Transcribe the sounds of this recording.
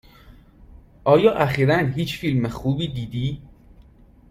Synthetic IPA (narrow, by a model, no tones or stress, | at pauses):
ʔɒːjɒːʔæxiːɾænɦiːt͡ʃʰfilmexuːbiːd̪iːd̪iː